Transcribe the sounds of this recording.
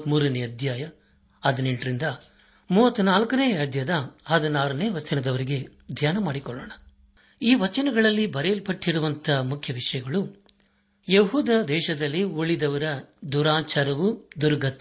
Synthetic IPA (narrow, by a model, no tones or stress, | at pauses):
t̪muːɾɐneɐd̪ʱjaːjɐ | ɐd̪ɐneɳʈɾind̪ɐ | muːʋɐt̪ːunaːlkɐneːɐd̪jɐd̪ɐɦɐd̪ɐnaːɾɐneːʋɐt͡ʃɐnɐd̪ɐʋɐɾiɡe̞d̪ʱjaːnɐmaːɽikɔɭːoːɳɐ | iːʋɐt͡ʃɐnɐɡɐɭɐlːibɐɾelpɐʈːiɾuʋɐnt̪ʰɐmukʰjɐʋiʂɐjɐɡɐɭu | jeɦuːd̪ɐd̪ɛːʃɐd̪ɐlːioɭid̪ɐʋɐɾɐd̪uɾaːt͡ʃaːɾɐʋud̪uɾɐɡɐt̪